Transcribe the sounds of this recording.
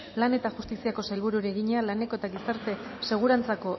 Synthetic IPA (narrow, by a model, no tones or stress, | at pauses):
lane̞t̪axust̪isiako̞sajlβ̞uɾuɾeɣiɲealane̞ko̞e̞t̪aɣisaɾt̪e̞se̞ɣ̞uɾant͡sako̞